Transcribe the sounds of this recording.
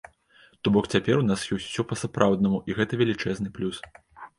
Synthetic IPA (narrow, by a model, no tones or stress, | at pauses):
t̪ɔbɔkt͡sʲapʲɛɾunasjɔwsʲwsʲɔpɐsapɾawd̪nɐmuʔiɣɛt̪ɐvʲɛlʲit͡ʂɛznɨplʲus